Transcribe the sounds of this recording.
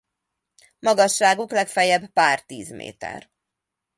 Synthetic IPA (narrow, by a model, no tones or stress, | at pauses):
mɒɡɒʃːaːɡuklɛkfɛjɛbpaːrt̪iːzmḛːt̪ɛ̰r